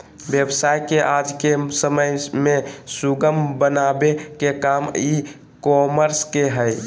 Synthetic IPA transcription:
bjəbsajkeʔad͡ʒkesəməjmẽsuɡəmbənabekekami | kɔməɾskeɦəj

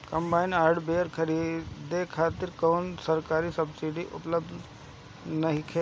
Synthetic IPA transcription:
kɐmbaːɪnaːɾɖbeːɾkʰɐɾiːd̪ekʰaːt̪ɪɾkɔːnsɐɾkaːɾisɐbsiɖiʔʊ̰pləbd̪ | nɐɦikʰe

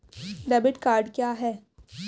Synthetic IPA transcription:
ɖɛbɪʈkaːɾɖkjaːɦɛː

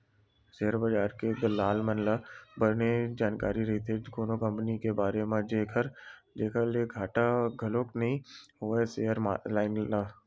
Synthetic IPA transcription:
seɦəɾbəd͡ʒaːɾked̪əlːaːlmənlabəɾned͡ʒaːnkaːɾiɾɐɦit̪ʰekoːnokɐ̃mpənikebaːɾemẽd͡ʒeːkʰəɾ | d͡ʒeːkʰəleɡʱaːʈaɡʱəloːknɐɦĩɦoeseɦəɾmalaːɪnlaː

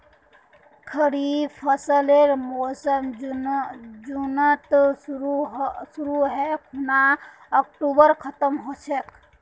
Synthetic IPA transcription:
kʰəɽipʰəsəleɾmosəm | d͡ʒunət̪ɾɦsuɾuɦɛkʰuna | ək̚ʈubəɾkʰət̪əmɦot͡ʃʰek

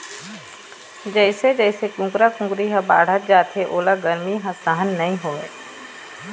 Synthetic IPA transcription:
d͡ʒəɪsed͡ʒəːɪsekũːkɾakʊ̃ɡɾiɦɐba̰ːɽ̤ət̪̚d͡ʒaːt̪eʔoːlaɡɐɾmiɦɐ̃st̪aːɦənːɐɦĩɦoːɡəe

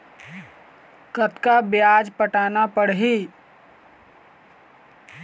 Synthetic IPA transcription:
kət̪kabjaːd͡ʒpəʈaːnapəɽɦi

